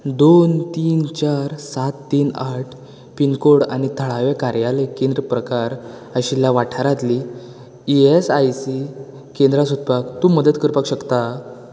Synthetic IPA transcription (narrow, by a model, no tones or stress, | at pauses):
d̪ont̪iːnt͡ɕaɾsat̪ːiːnaʈʰ | pinkoɽañit̪ʰəɭaʋekaɾjaləjkend̪ɾəpɾəkaɾ | əɕiljaʋaʈʰaɾat̪li | iesajsi | kend̪ɾasud̪̚pakt̪uːməd̪ət̪kəɾpakɕəkt̪a